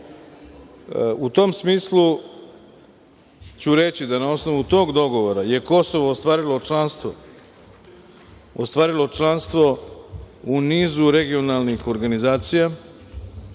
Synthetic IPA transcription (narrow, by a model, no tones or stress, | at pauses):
ut̪o̞msmiːslu | t͡ɕuɾe̞t͡ɕid̪anao̞sno̞ʋut̪o̞ːɡd̪o̞ɡo̞ʋo̞ɾaje̞ko̞so̞ʋo̞ːst̪ʋaːɾilo̞t͡ʃlanst̪ʋo | ost̪ʋaːɾilo̞t͡ʃlˠanst̪ʋo̞ | uniːzuɾe̞ɡio̞nalnixo̞ɾɡanizaːt̪sija